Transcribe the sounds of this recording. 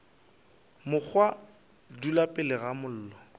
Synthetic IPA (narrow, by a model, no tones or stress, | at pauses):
mʊk͡xʰwa | dulapʼɪlɪɣamʊl̩ːlɔ